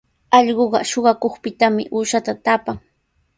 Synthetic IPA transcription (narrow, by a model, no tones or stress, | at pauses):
ɑʎɢoɢɑ̰ʃoɢɑkoχpɪt̪amɪ̰ʔuːʃat̪at̪apaŋ